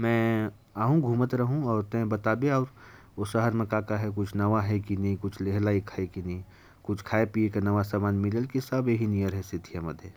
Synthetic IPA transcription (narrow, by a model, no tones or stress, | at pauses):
mɛ̃ː | aːɦũɡʱuːmət̪ɾɐɦũɔːɾt̪ɛ̃bɐt̪aːbeɔːɾ | oʃəɦəɾmẽkaːkaɦɛk̬ʊt͡ʃʰnɐʋaɦɛkinɐɦĩkʊt͡ʃʰleɦlaːikʰaːekinɐɦĩ | kʊt͡ʃʰkʰaːepiekenɐʋasaːmaːnmɪlelkisɐbeɦinijəɾɦɛsɪt̪ʰːijamɐd̪ʱje